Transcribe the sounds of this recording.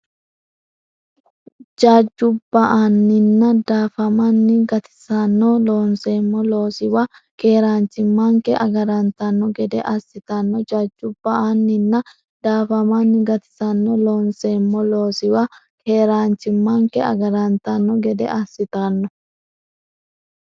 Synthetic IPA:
d͡ʒaːd͡ʒːʊbːɐʔanːɪnːɐd̪aːfɐmɐnːɪɡɐt̪ɪ̥sɐnːɔloːnseːmːɔloːsɪwɐ | ke̞ːɾaːnt͡ʃɪmːaŋkɛʔɐɡɐɾɐnt̪ɐnːɔɡɛd̪ɛʔɐsːɪt̪ɐnːɔd͡ʒaːd͡ʒːʊbːɐanːɪnːɐ | d̪̥aːfɐmanːɪɡɐt̪ɪ̥sɐnːɔloːnseːmːɔlo̞ːsɪwɐ | kʰeːɾaːnt͡ʃːɪmːaŋkɛɐ̰ɡɐɾɐnt̪ɐnːɔɡɛd̪ɛ̰ʔɐsːɪt̪ɐnːɔ

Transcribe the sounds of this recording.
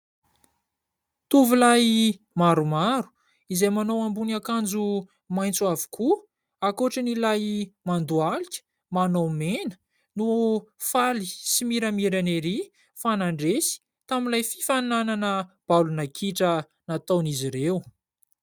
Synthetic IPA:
t̪uvulaj | maɾumaɾu̥ | izejmanowambunakand͡zu | majnt͡suavu̥kʰu | akoʈ͡ʂənilajmand̪ualikʲə̥ | manowmenə̥ | nufalisimiɾamiɾaneɾi | fanaɳɖ͡ʐesi̥ | t̪aminlajfi̥fanananəb̥alunakʰiʈ͡ʂə | nat̪aniziɾew

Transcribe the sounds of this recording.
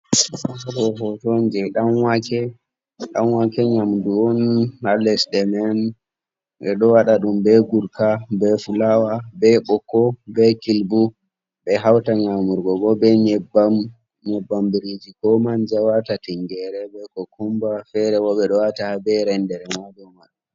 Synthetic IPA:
abɔhɔtɔnd͡ʒɛɗanwakɛ | ɗanwakɛɲamduɔnhalɛsɗɛmɛn | ɓɛɗɔwaɗaɗumbɛɡuɾkabɛfulawabɛɓɔkɔbɛkilbu | ɓɛɦawtaɲamuɾɡɔɡɔbɛɲɛba | ɲɛbːambiɾid͡ʒikɔmand͡ʒawatatiŋɡɛɾɛbɛkɔkʰumbafɛɾɛwɔɓɛɗɔwataabɛɾɛndɛɾɛmad͡ʒɔmaɗɔ

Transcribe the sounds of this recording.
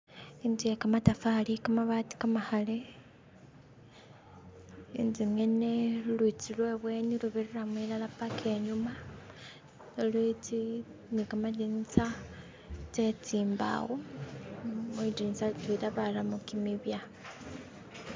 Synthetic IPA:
indiekamatafalikamaβati̥kamaxale | indiŋene̞lwit͡silwe̞βwe̞ːniluβeɾeɾamwilalapakʰe̞ɲuma | lwet͡si | nikamadint͡sa | tet͡siːmba̰ɣo | midint͡satwiɾaβalamukimiβja

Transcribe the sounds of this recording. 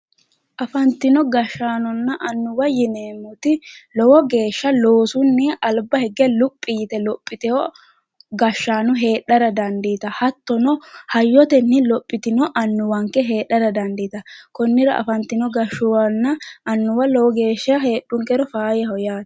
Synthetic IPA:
ʔɐfɐnt̪ːɪnɔɡɐʃːaːnɔnːɐʔɐnːʊwɐjɪneːmʊt̪ɪlɔwɔɡe̞ːʃːɐloːsʊnːɛʔɐlbɐhɛɡɛlʊpʼːɪjt̪ɛlɔpʼːɪt̪ɛɔ | ɡɐʃːaːnʊɦe̞ːᶑːɐɾɐd̪ɐnd̪iːt̪ɐhɐt̪ːɔnɔhɐjːɔt̪ɛnːɪlɔpʼːɪt̪ɪnɔʔɐnːʊwɐŋkːɛɦe̞ːᶑɐɾɐd̪ɐnd̪iːt̪ɐkɔnːɪɾɐɐ̰fɐnt̪ːɪnɔɡɐʃːʊwɐnːɐʔɐnːʊwɐlɔwɔɡe̞ːʃːɐɦe̞ːɗːʊŋkɛɾɔfaːjɛɦɔjaːt̪

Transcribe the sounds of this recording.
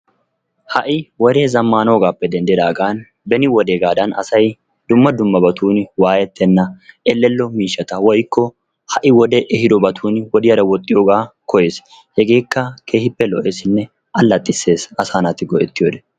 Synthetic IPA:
hɐʔɪwɔd̪e̞ːzɐmːaːno̞ːɡaːpːɛd̪ɛnd̪ɪd̪aːɡaːn | bɛnɪwɔd̪e̞ːɡaːd̪ɐnɐ̰sɐj | d̪ʊmːɐd̪ʊmːɐbɐt̪ʰuːnwaːjɛt̪ːɛnːɐɛlːɛlːɔmiːʃːɐt̪ɐwɔjkʰːɔ | hɐʔɪwɔd̪ɛʔɛhɪd̪ɔbɐt̪ʰuːnwɔd̪ɪjɐɾɐwɔt̪ʼːɪjoːɡaːkɔje̞ːs | hɛɡe̞ːkːɐkʰe̞ːhɪpːɛlɔʔeːsɪnːɛ | ɐlːɐt̪ʼːɪsːe̞ːsɐsaːnɐt̪ːɪɡɔʔɛt̪ːɪjoːd̪ɛ

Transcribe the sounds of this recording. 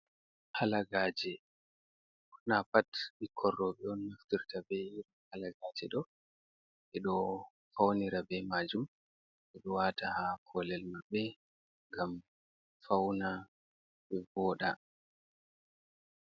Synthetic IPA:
halaɡaːd͡ʒɛ | knapatbikʰɔrːɔɓɛɔnːaftiɾtabɛiɾ | halaɡad͡ʒɛɗɔ | ʔɛɗɔ | fawniɾabɛmad͡ʒum | ʔɛɗɔwatahakʰɔlɛlmabɛ | ŋɡam | fawna | bɛbɔːɗa

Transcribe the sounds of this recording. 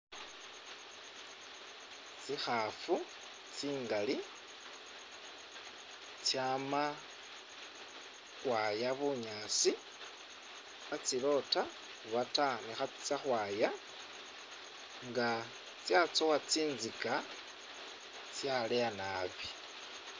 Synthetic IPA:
t͡sixafu | t͡siːŋɡali | t͡sjama | ɣwajaβuɲaːsi | βat͡silo̞ta | βatanixat͡si̥t͡saxwaːja | ŋɡa | t͡sjat͡sowat͡siːnzika | t͡sjaleanaβi

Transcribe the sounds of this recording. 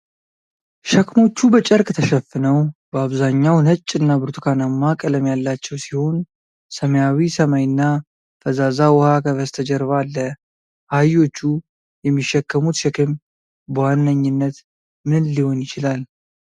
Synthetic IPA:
ʃəkmo̞t͡ʃːubət͡ʃʼəɾkʼt̪ʰəʃəfːɨnəwbəaβzaɲːawnət͡ʃʼːɨnːabɨɾt̪kʰanamːakʼələmjalːat͡ʃːɛwsiho̞n | səməjawisəmajɪnːa | fəzazawɔhakʰəβəst̪ʰəd͡ʒɛɾβalːə | hajo̞t͡ʃːu | jɛmːiʃːɛkːəmut̪ʃɛkʰəm | bəwanːəɲːɪnːət̪ | mɨnliho̞njɪt͡ʃɪlal

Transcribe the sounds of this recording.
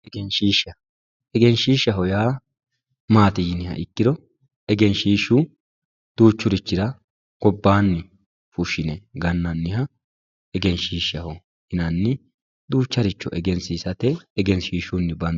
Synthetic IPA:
ɛɡɛnʃiːʃɐ | ɛɡɛnʃiːʃɐɦɔjaː | maːt̪ɪjɪnɪhɐ̰ʔɪkːɪd̪ɔ | ɛɡɛnʃiːʃu | d̪̥uːt͡ʃːʊɾɪt͡ʃːɪɾɐ | ɡ̥ɔbːaːnːɪ | fʊʃɪnɛɡɐnːɐnːɪhɐ | ɛɡɛnʃiːʃɐhɔ | hɪnɐnːɪ | d̪uːt͡ʃːɐɾɪt͡ʃːɔʔɛɡɛnsiːsɐt̪ɛːɡɛnʃiːʃʊnːɪbɐn

